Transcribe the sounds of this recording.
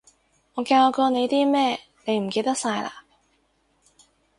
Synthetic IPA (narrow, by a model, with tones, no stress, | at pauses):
ŋɔː˨˧kaː˧wkɔː˧ne˨˧jt̪iː˥mɛː˥ | ne˨˧jm̩˨˩ke˧t̪ɐ˥k̚saː˧jla̰ː˧